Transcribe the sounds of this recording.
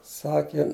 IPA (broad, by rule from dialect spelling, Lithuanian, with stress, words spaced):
ˈsɑːkʲeː